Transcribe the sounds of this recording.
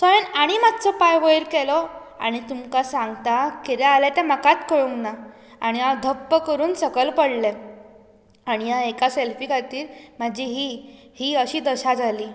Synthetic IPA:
sɔenaɽ̃imad̪t͡sɔpajʋəjɾkɛlɔ | a̰ɽ̃it̪umkasãŋɡt̪akiɾɛalɛt̪ɛ̃m̤akat̪kəɭuŋkna | aɽ̃iad̪ʱəpːəkəɾuːnsəkəlpəɽlɛ | aɽ̃ijaekaselfikʰat̪iːɾm̤ad͡ʑiɦihiːəɕiːd̪əɕad͡zaliː

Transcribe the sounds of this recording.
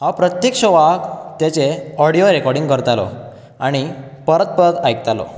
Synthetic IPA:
hapɾət̪jekʂoʋakt̪jat͡seɔɽijoɾekɔɾɽĩŋɡkəɾt̪alɔ̰ | a̰ɽ̃i | pəɾət̪̚pəɾət̪ajkt̪alɔ̰

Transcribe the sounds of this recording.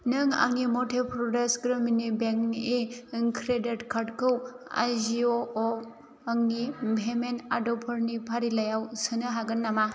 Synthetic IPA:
nɯŋa̰ŋnimɔtʰepʰɾɔdesɡɾɯminibeŋneŋkʰɾedetkʰaɾtkʰɯwa̰jzioː | aŋnibʱemenadɔpʰɔɾnipʰaɾilajawsɯnɯɦaɡɯnːama

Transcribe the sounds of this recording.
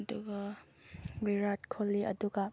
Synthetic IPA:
duɡa | biɾatkʰolːiʔɐ̰duɡɐ

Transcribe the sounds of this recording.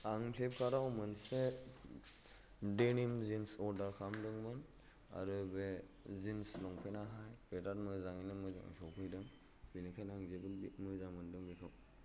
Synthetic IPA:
aŋpʰlep̚kʰaɾawmɯnse | denimzinsɔɾdaɾkʰamlɯŋmɯn | a̰ɾɯbe | zinslɔŋpʰenaɦajbetat̚mɯzaŋinɯmɯza̰ŋ̰sɔpʰɯjdɯŋ | binikʰajnaŋzebɯnbimɯzamɯndɯŋbikʰaw

